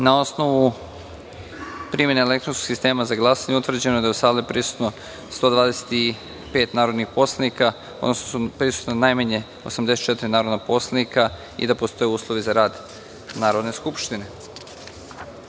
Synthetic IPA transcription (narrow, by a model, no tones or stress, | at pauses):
nao̞sno̞ʋu | pɾimje̞neːle̞kt̪ɾonsko̥ɡsist̪e̞ːmazaɡlˠaːsaɲeut̪ʋr̩d͡ʑenoed̪aeusaːlepɾisu̥t̪no̞ | st̪o̞ːd̪ʋaːd̪ese̥t̪i | pe̞ːt̪naːɾo̞d̪nixpo̞slˠenika | od̪nosnosupɾisu̥t̪nonajmaɲe̞ | osamd̪eset̪t͡ʃe̞t̪iɾinaːɾo̞d̪napo̞slˠenika | ḭd̪apo̞st̪o̞jeuːslˠoʋizaɾaːd̪ | naːɾo̞d̪ne̞skupʃt̪ine̞